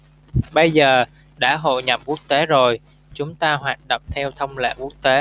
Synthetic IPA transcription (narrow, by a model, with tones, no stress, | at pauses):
ɓə˧jzəː˨˩ | ɗa̰ː˧˥ɦo̰˧˨jɲa˨˩p̚ku˦˥ək̚t̪e˨˦zo˨˩j | t͡ɕʊ˨˦ŋ͡mt̪aː˧ɦwaː˨˩t̚ɗə̰˨wŋ͡mt̪ʰɛ˧wt̪ʰə˧wŋ͡mlḛ˧˨ku˦˥ək̚t̪e˨˦